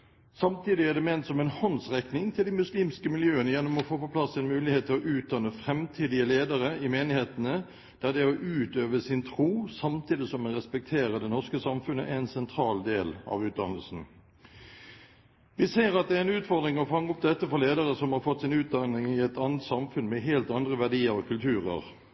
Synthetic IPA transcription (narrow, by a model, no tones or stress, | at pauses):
sɑmt̪iːd̪ɪæd̪ɛmeːnt̪sɔmɛnhɔnsʁɛknɪŋt̪ʰɪld̪ɪmʉsliːmskəmɪljøːənəjɛnːɔmɔfoːpoːpʰlɑsːɛnmʉːlɪheːt̪ʰːɪlɔʔʉːt̪̚d̪ɑnːəfʁɛmt̪ʰiːd̪ɪəleːd̪əɾəɪmeːnɪheːt̪ənə | d̪̥æd̪ɛɔʔʉːt̪øːʋəsɪnt̪ʰʁuːsɑmt̪ʰiːd̪ɪsɔmɛʁɛspɛk̚t̪ʰeːʁəd̪ɛnɔʁskəsɑmfʉnːə̰ʔæɛnsɛnt̪ʰʁɑːld̪eːlɑ̰ʋʉːt̪̚d̪ɑ̰nːəl̩sn̩ | ʋɪseːɾɑt̪̚d̪ɛæɛnʉːt̪fɔʁd̪ʁɪŋɔfɑŋːəɔp̚d̪ɛt̪ːəfɔʁleːd̪əɾəsɔmhɑʁɾfɔt̪ːsɪnʉːt̪̚d̪ɑnɪŋɪɛt̪ɑːnət̪sɑmfʉnmɛɦeːlt̪ɑnd̪ʁəʋæʁd̪iːəɾɔkʰʉlt̪ʰʉːʁə̰ʁ